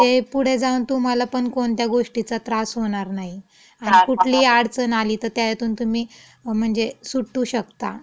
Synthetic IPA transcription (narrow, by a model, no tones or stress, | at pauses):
t̪epuɽ̤ed͡zaunt̪um̤alapəɳkoɳt̪jaɡoʂʈit͡sat̪ɾasɦoɽ̃aɾnaɦi | aɽ̃ikuʈʰliːaɽt͡sənaliːt̪əɾt̪jajet̪uːnt̪um̤iː | m̤əɳd͡zesuʈːuːɕəkt̪a